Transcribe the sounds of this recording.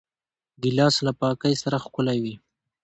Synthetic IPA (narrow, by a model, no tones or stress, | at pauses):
d̪əlɑslapɑkajsaɾaxkʊlawi